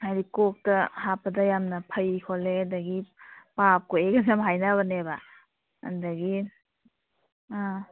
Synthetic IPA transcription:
ajdikɔk̚tɐhapːɐdɐjamnɐpʰɐjkʰoledɐɡipap̚koeɡɐsamɦajnaβɐneba̰ | ɐ̰ndɐɡi

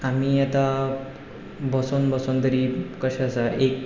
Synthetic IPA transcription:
amiːat̪a | bəsonbəsond̪əɾikəɕaːsaʔek

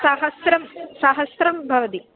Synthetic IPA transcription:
saɦɐsɾɐmsaɦɐsɾɐmbʱɐʋɐt̪i

